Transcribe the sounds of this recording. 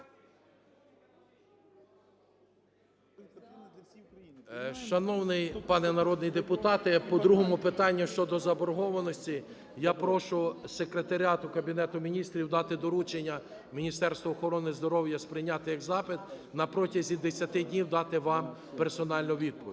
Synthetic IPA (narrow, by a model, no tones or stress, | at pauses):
ʃɐnɔwnɪjpɑnɛnɐɾɔd̪̚nɪjd̪epʊt̪ɑt̪ɪpɔd̪ɾuɦɔmʊpɪt̪ɑnʲːɐʃt͡ʃɔd̪ɔzɐbɔɾɦɔʋɐnɔsʲtʲi | japɾɔʃʊsekɾet̪ɐɾʲɑt̪ʊkɐbʲinɛt̪ʊmʲinʲist̪ɾʲiwd̪ɑt̪ɪd̪ɔɾut͡ʃenʲːɐ | mʲinʲist̪ɛɾst̪ʋɐɔxɔɾɔnɪzd̪ɔɾɔwjɐspɾɪjnʲat̪ɪjɐɡzɑpɪd̪nɐpɾɔtʲɐzʲid̪esʲɐt̪ɪdʲnʲiwd̪ɑt̪ɪʋɑm | peɾsɔnɑlʲnʊʋʲid̪̚pɔʋʲ